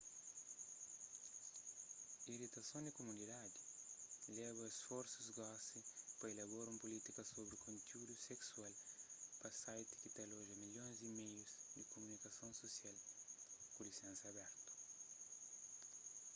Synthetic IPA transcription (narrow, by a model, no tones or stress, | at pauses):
iɾit̪ɐsõnd̪ikomunid̪ad̪ilɛβɐesfoɾsuzɡɔsipɐelaβoɾũmpolit̪ikɐsoβɾikʰõnt̪iud̪useksualpɐsajt̪i̥kit̪aloʒɐmilõnzd̪imejuzd̪ikomunikɐsõnsosjal | kulisẽnsɐɐbɛɾt̪u̥